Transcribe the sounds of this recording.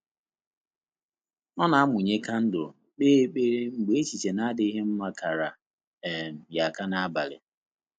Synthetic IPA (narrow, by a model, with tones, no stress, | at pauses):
ɔ˦na˨a˦mʊ˨ɲe˦ka˦n̩˦dʊ˨ | k͡pe˦k͡pe˦ɾe˦ŋ͡m̩˨ɡ͡be˨e˦t͡ʃi˨t͡ʃe˨na˦a˦dɪ˦i˦ɦe˦m̩˦ma˦ka˨ɾa˨ | m̩˨ja˨ka˦na˦a˦ba˨lɪ̰˨